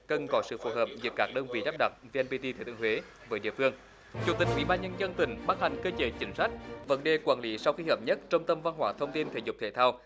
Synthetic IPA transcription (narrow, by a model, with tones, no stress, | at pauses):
kə˨˩nkɔ˨˦sɨ̰˧˨fo˨˦ɦəː˨˩p̚zɨ̰˨˦əkːaː˦˥k̚ɗə˧nvḭ˧˩ɗaː˦˥p̚ɗa˨˩t̚ve˧ʔɛ˧npi˧t̪i˧t̪ʰe˨˧˦t̪ɨ̰˧ə˨hwe˨˦ | vəː˨˦jɗḭ˧˨əfɨ˧əŋ | t͡ɕu˨˩t̪ï˨˩k̟ʔwḭ˧˩ɓaː˧nɲə˧nzə˧nt̪ï˨˩ŋ̟ɓaː˦˥k̚ha˨˩jŋ̟kəː˧t͡ɕəː˨˦t͡ɕï˨˦ŋ̟sa˦˥jk̟̚və˨˦nɗe˨˩kwaː˧˩nli˨˦sa˧wxi˧həː˨˩p̚ɲə˦˥t̚t͡ɕɔ˧wŋ͡mt̪ə˧mva˧nɦwaː˧˩t̪ʰə˧wŋ͡mt̪i˧nt̪ʰe˧˩zʊ˨˩k͡p̚t̪ʰḛ˧˩t̪ʰaː˧w